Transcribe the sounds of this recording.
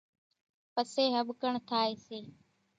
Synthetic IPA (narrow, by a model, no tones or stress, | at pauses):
pəseːɦəɓkəɳt̪ʰaːeːseː